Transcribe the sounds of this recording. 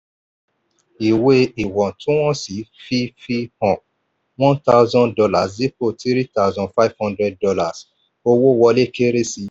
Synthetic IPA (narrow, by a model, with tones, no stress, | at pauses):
i˨we˧i˨wɔ̃˨tũ˦w̃ɔ̃˦si˨˦fi˦fi˧hɔ̃˨ | wɔ̃˦nta˧ʊzɔ̃˦ndɔ˧la˦˨sdi˨˦ko˦˨ti˦ɾi˦ta˦wzɔ̃˧fa˦i˦vhɔ̃˦ndɾɛ˦d̚dɔ˧la˦˨s | o˧wo˦˨wɔ˧le˦ke˦ɾe˦si˧